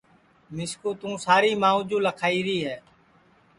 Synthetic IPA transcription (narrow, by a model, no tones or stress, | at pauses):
mɪskuːt̪ũːsaːɾiːmãːũːd͡ʒũːləkʰaːiːɾiːɦɛː